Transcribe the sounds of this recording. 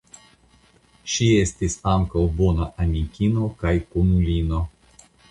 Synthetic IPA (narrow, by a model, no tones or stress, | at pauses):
ʃie̞stisaŋkawbo̞naʔamʲikʲino̞kajkonulʲino̞